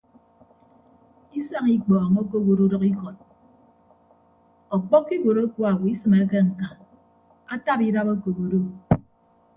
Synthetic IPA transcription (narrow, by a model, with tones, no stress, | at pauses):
i˦sa˦ŋi˦k͡pɔ˨ŋo˦ko˦ɣo˨ɾo˦ɾɔ˦ki˦kɔ˨t̚ | ɔ˨k͡pɔ˦kːi˦ɡo˨ɾo˦kwo˦a˨wi˦sɨ˨me˨˦ke˦ŋ̩˨ka˨ | a˦ta˦pi˦da˦bo˦ko˨ɣo˨do˦